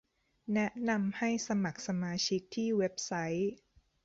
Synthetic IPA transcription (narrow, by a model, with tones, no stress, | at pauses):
nɛ˦˥ʔna˧mha˥˩jsa˧ma˨˩k̚sa˧maː˧t͡ɕʰi˦˥k̚t̪ʰiː˥˩we˦˥p̚sa˦˥j